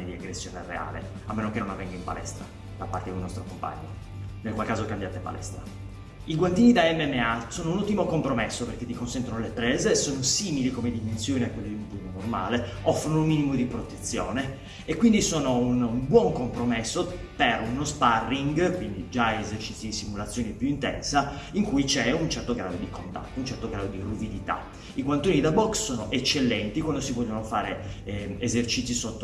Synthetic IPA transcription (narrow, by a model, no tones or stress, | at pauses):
ed̪iaɡɾesːjoːnerḛa̰ːlḛ | a̰mːeːnokenːonavːɛŋɡaimpa̰lɛ̰st̪ɾa̰ | d̪̥apːart̪ekomnɔst̪ɾokompa̰ɲːo | nelkwalkaːzokambjaːt̪epa̰lʔɛ̰st̪ɾa | iɡwant̪iːnid̪aɛmːɛmːeasoːnounut̪ːimokompɾomesːoperk̟et̪ːikonsɛnt̪ɾonolepɾɛːzesoːnosiːmilikomed̪imensjoːniakːwelːod̪iupunonorma̰ːle | ɔfːɾonoummiːnimod̪ipɾot̪et̪sːjo̰ːne | ekːwind̪isoːnounmbwɔŋkompɾomesːo | perunosparːiŋɡkwind̪id͡ʒaezert͡ʃit̪sːid̪isimulat̪sːjoːnipjuint̪ɛ̰nsaiŋkujt͡ʃɛunt͡ʃɛrt̪oɡɾa̰ːd̪od̪ikont̪a̰t̪ːount͡ʃɛrt̪oɡɾaːd̪od̪iruvid̪it̪a̰ | iɡwant̪oːnid̪abɔksːoːnoʔet͡ʃːelːɛnt̪ikwand̪osivɔʎːonofa̰ːɾeezert͡ʃit̪sːisot̪ːo